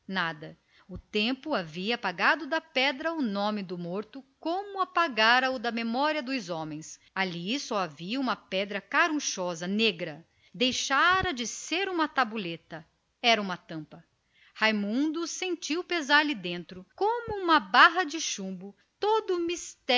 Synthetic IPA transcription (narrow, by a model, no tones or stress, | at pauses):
nad̪ɐ | ʊt̪ẽmpʊaviɐpaɡad̪ʊd̪ɐpɛd̪ɾɐʊnõmɪd̪ʊmoɾt̪ʊkõmʊapaɡaɾɐʊd̪ɐmemɔɾiɐd̪ʊzɔ̃mẽj̃s | alisɔaviɐũmɐpɛd̪ɾɐkaɾũʃɔzɐneɡɾɐ | d̪ejʃaɾɐd͡ʒɪseɾũmɐt̪abulet̪ɐ | ɛɾɐũmɐt̪ɐ̃mpɐ | hajmũnd̪ʊsẽnt͡ʃiwpezaɾlɪd̪ẽnt̪ɾʊkõmʊũmɐbaɦɐd͡ʒɪʃũmbʊ | t̪od̪ʊmist̪ɛ